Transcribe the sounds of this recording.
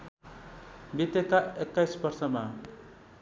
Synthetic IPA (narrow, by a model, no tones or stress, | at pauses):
bit̪ekaekːajsbʌrsʌma